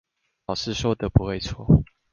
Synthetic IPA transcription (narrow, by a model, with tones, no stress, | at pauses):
ʊʂɻ̩˥˨ʂɔ˥d̪ə˨˦pu˨˦xwe˥˨ɪt͡sʰwɔ̰˥˩